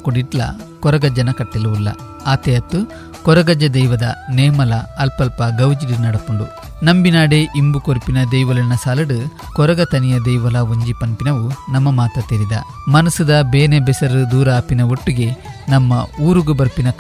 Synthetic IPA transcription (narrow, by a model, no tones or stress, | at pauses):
kuɽiʈlɐ̰kɔɾɐɡɐd͡ʒɐnɐkɐʈːilɐʋulːɐ̰ | aːt̪eɐt̪ːu | kɔɾɐɡɐd͡ʒːɐd̪ɐjʋɐd̪ɐ̰neːmɐlɐːlpɐlpɐɡɐwd͡ʒiɾiɾnɐɽɐkoɳɖu | nɐmbinaːɽeʔimbukoɾpinɐd̪ejʋɐlɐnɐsaːlɐɽu | kɔɾɐɡɐt̪ɐnijɐd̪ɛjʋɐlɐɦoɲd͡ʒipɐnpinɐʋunɐmːɐmaːt̪ɐt̪eːɾid̪ɐ̰ | mɐnɐsud̪ɐbeːnebɛsɐɾud̪uːɾɐːpinɐoʈːuɡe̞nɐmːɐuːɾuɡubɐɾpinɐk